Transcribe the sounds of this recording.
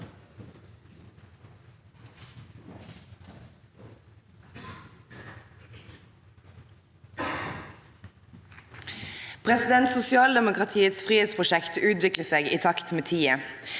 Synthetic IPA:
pʰʁɛsɪd̪ɛnt̪sʊsɪɑːld̪ɛmʊkʁɑt̪ʰiːət̪sfʁiːhed̪spʰʁʊʃɛkt̪ʰʉːt̪ʋɪkləseːɡiːt̪ʰɑkt̪meːt̪ʰiːə

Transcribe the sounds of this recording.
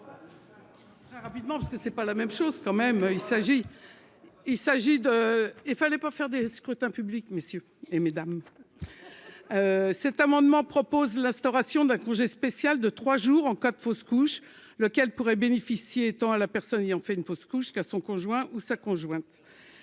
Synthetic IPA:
t̪χɛʁapid̪mɑ̃pḁʁskəsɛpalamɛmʃozkɑ̃mɛmøilsaʒi | ilsaʒid̪əilfalɛpafɛʁd̪eskχyt̪ɛ̃pyblikmesjø | emed̪am | sɛt̪amɑ̃d̪mɑ̃pχɔpozlɛ̃st̪ɔʁasjɔ̃d̪ɛ̃kɔ̃ʒɛspesjald̪ət̪χwaʒuʁɑ̃kad̪foskuʃ | ləkʲɛlpuʁɛbenefisjeːt̪ɑ̃alapɛʁsɔnejɑ̃fɛynfoskuʃkasɔ̃kɔ̃ʒwɛ̃ʔusakɔ̃ʒwɛ̃t̪

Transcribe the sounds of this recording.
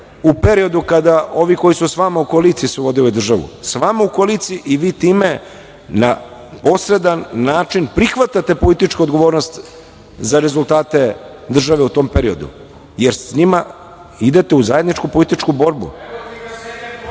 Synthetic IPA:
upe̞ɾio̞d̪ukad̪ao̞ʋiko̞jisusʋamaukolit̪sisuʋo̞d̪iojd̪r̩ʒaʋṵsʋamaukolit̪siʔiʋiːt̪iːme̞ | napo̞sɾe̞d̪anːaːt͡ʃinpɾixʋat̪at̪e̞po̞lit̪it͡ʃkuo̞d̪ɡo̞ʋo̞ːɾnost̪ | zaɾe̞zulˠt̪aːt̪e̞ | d̪r̩ʒaʋe̞ut̪o̞ːmpe̞ɾio̞d̪ṵ | jeɾsɲima | id̪e̞t̪e̞uzaje̞d̪nit͡ʃkupo̞lit̪it͡ʃkubo̞ːɾbṵ

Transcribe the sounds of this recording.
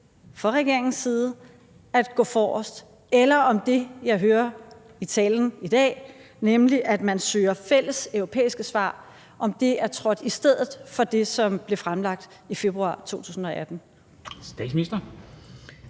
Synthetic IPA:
fɒ̽ʁɛɡ̥e̝ɐeŋn̩siːð̞ˠ | æd̥ɡ̥ɔ̰̽ːfɒːɒ̰sd̥ | elɐɒ̽md̥e̝jɑ̈ɪɦøːɐ | it͡sʰɛ̰ːln̩id̥ɛ̰ː | nemliʔæd̥mænsøːɐfel̰əsœʊʁo̝pʰḛːisɡ̥əsʋɑ̰̈ː | ʔɒ̽md̥e̝æɐt͡sʰʁɒ̽d̥isd̥eð̰ˠð̞̩ˠfɒ̽d̥e̝sɒ̽mb̥le̝fʁamlɑ̈ɡ̥̚d̥ | ife̝b̥ʁuɑ̰̈ːt͡sʰo̝̰ːt͡sʰṵːsn̩ɒ̽ʔæd̥n̩ | sd̥ɛ̰̥sminisd̥ɐ

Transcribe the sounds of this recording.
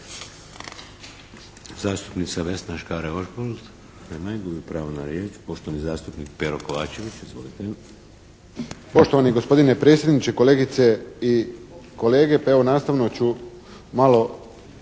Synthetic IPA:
zaːst̪upnit̪saʋesnaʃkaɾeoʃbold̪ | nemaiɡ̪uupɾaːʋonaɾjeːt͡ʃpoʃt̪oʋanizaːst̪upnik̚peɾokoʋaːt͡ʃe̞ʋit͡ʃizʋo̞lit̪e | po̞ʃt̪o̞ʋaniɡo̞spo̞d̪ine̞pɾe̞ːt̪sjed̪nit͡ʃe̞ko̞le̞ːɡit̪se̞iko̞leːɡe̞peonaːst̪aʋno̞t͡ɕu | malo̞

